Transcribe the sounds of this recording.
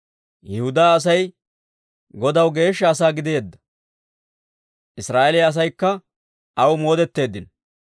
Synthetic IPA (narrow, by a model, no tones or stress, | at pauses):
jɛhʊd̪aːɐs̬ɐj | ɡɔd̪ɐwɡe̞ːʃːɐːs̬aːɡɪd̪eːd̪ːɐ̥ | ʔɪsɾaːʔɛlɪjɐs̬ɐjkːɐ | ʔɐwmo̞ːd̪ɛt̪ːe̞ːd̪ːɪn